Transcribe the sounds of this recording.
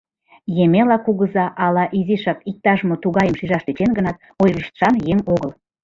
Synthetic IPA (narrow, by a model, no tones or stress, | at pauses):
jemelɑkuɣəzɑʔɑlɑʔiziʃɑkik̚t̪ɑʒmot̪uɣɑjəmʃiʒɑʃlit͡ɕenɡənɑt̪ | ojləʃt̪ə̥ʃɑnjeŋoɣəl